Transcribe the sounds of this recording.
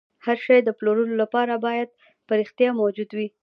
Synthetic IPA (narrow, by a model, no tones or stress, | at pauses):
haɾʃɑjd̪əploɾəlolapɑɾabɑjad̪̚ | pəɾixt̪jɑmawd͡ʒud̪wi